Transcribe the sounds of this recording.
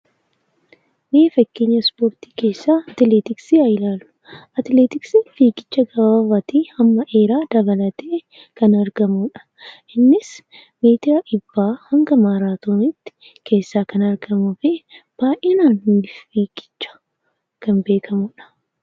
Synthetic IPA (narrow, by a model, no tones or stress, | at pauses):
meːfɐkːeːɲːɐspo̞ːɾt̪i̥ːke̞ːsːaːɐt̪ɪleːt̪ɪksiːɐjɪlaːlʊ̥ | ɐt̪leːt̪ɪksifiːkʼɪ̥t͡ʃːɐɡɐbabɐt̪iːɐmːɐʔe̞ːɾaːd̪ɐbɐlɐt̪eː | kɐnɐɾɡɐmuᶑɐ̥ | ʔɪnːɪs | meːt̪ɪɾaʔɪbːaːhɐŋɡɐmaːɾaːt̪oːnɪt̪ːɪ̥ | kʰe̞ːsːaːkɐnɐɾɡɐmʊfeːb̥aːʔɛnaːnːiːffiːkʼɪ̥t͡ʃːɐ̥ | kɐnbe̞ːkʰɐmʊᶑɐ̥